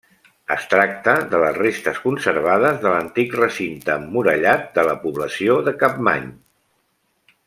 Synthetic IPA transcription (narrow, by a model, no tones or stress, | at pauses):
ə̰st̪ɾak̚t̪əðələsrest̪əskunsəɾβ̞aðəzðələnt̪ikrəsint̪əmuɾəʎat̪̚d̪ələpuβləsioðəkap̚ma̰ɲ